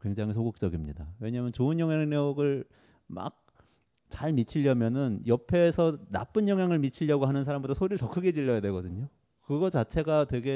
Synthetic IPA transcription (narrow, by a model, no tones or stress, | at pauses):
kwe̞ŋd͡ʑaŋis̬ʰoɡok̚t͡ɕ͈ʌɡimɲidawe̞ɲaːmjʌnt͡ɕoɯnjʌŋɦjaŋnʌɡɯɭ | ma̰k̚ | t͡ɕaɭmit͡ɕʰiʎːʌmjʌnɯnjʌpʰe̞ːsʰʌna̰p͈ɯnjʌŋɦjaŋɯɭmit͡ɕʰiʎːʌɡoɦanɯnsʰaɾambotʰasʰoɾiɯɭtʌkʰɯɡe̞d͡ʑiʎːʌjadwe̞ɡʌdɯɲo | kɯɡʌt͡ɕat͡ɕʰe̞ɡatwe̞ɡe̞